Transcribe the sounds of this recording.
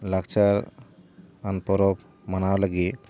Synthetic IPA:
lakt͡ʃaɾ | anpɔɾɔp | manawlaɡit̪

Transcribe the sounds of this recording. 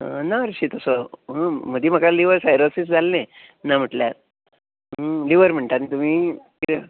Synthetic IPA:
ənaɾɕit̪əsoɦəm̤əd̪im̤əɡaliʋəɾsajɾosisd͡zalnẽ | nam̤əʈlja | liʋəɾm̤əɳʈanit̪um̤iːki

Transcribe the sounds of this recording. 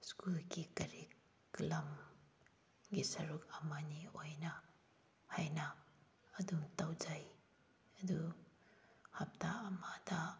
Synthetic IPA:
skulɡikɐɾi | klɐm | ɡisɐɾuk̚ɐmaniojnɐ | hajnɐ | ɐdumtawzaj | ɐdu | hɐp̚taːmada

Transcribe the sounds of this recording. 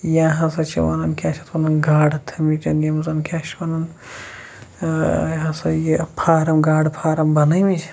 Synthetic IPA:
jãːɦɐ̃sɐt͡ʃʰḭʋɐ̰nɐnkʰʲat͡ʃʰɐt̪ʰwɐnɐnɡaːɽt̪ʰɐmit͡ʃɐnjɐmzɐnkʲʰaːʃwɐnɐn | ɦɐ̃sɐjepʰaːɾɐmɡaːɽpʰaːɾɐmbɐnɐmit͡ʃʰi̥

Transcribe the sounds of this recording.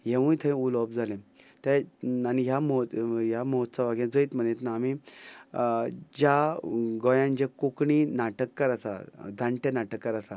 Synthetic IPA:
ɦẽʋũjt̪ʰə̃ulɔbd͡zalẽt̪ɛaniɦjamɔɦjamɔɦt̪t͡saʋaɡjãd͡zəiːt̪m̤ənet̪naːmi | d͡ʑaɡɔjãnd͡ʑekukɳinaʈəkːəɾasa̰d͡zãɳʈʰenaʈəkːəɾasa

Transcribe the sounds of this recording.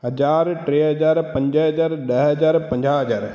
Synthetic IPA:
ɦɐd͡ʒaːɾʈɾeːɦɐd͡ʒaːɾpɐ̃ɲd͡ʒəɦɐd͡ʒaːɾɗɐɦɐd͡ʒaːɾpɐ̃ɲd͡ʒaɦəd͡ʒaːɾ

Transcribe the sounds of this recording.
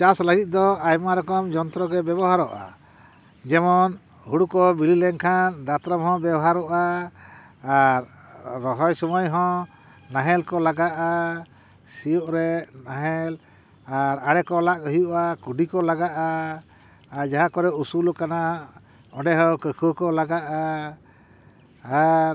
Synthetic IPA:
t͡ʃasləɡit̪̚ˀd̪ɔajmaɾɔkɔmd͡ʒɔnt̪ɾɔɡɛbɛbɔɦaɾɔʔa̰ | d͡ʒɛmɔn | huɽukɔbililɛŋkʰanɖat̪ɾɔmɦɔ̃bɛbɔɦaɾɔʔaː | ɾː | ɔɦɔjsɔmɔjɦɔ̃ | naɦɛlkɔlaɡaʔa | sijɔʔɾɛnaɦɛl | aɾaɽɛkɔlaʔkɔɦijuʔakuɖikɔlaɡaʔaː | ɾd͡ʒaɦakɔɾɛusulɔkana | ɔɖɛɦəwkəkʰukɔlaɡaʔa | aɾ

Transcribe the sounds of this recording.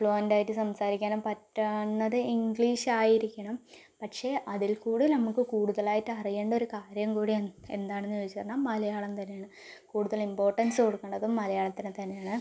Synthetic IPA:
fɭoːndaːjiʈːɨsɐmsaːɾikʲːaːnumpɐtːɐnːɐðɨiŋɡɭiːɕaːjiɾikʲːɐɳɐm | pɐʈʂe̞ʔɐðilkuːɽilnɐmukːɨkuːɽuðɐɭaːjitːɨɐrijeːɳɖɐoɾukaːɾjɐmkuːɽijɐnːɨe̞̰nd̪aːɳenːɨet͡ɕːirɐnːaːmɐlɐjaːɭɐmt̪ɐnːeaːɳɨ | kuːɽuðɐɭimpo̞ːrʈːɐnsɨko̞ɽukːɐːɳɖɐðumːɐlɐjaːɭɐt̪ːinɨt̪ɐnːejaːɳɨ

